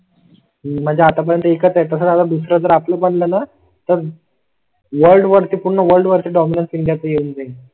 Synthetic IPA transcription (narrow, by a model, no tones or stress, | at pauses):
m̤əɳd͡zeat̪apəɾjənt̪əekət͡sjat̪əs̬aɾat̪ad̪usɾad͡zəɾapləpəɳləna | t̪əɾ | ʋəɾlɖʋəɾt̪iːpuɽɳəʋəɾlɖʋəɾt̪iːɖɔminənsiɳɖjat͡səjeuːnd͡zai